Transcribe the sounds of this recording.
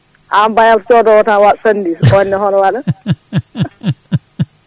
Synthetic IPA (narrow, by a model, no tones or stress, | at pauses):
ʔambajalt͡ʃɔdɔwɔtawaɗsanːdisɔnːɛɦɔnɔwaɗa